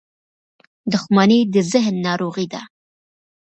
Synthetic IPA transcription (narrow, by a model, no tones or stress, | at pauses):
d̪ʊxmaned̪əzɪɦnːɑːɾoɣid̪a̰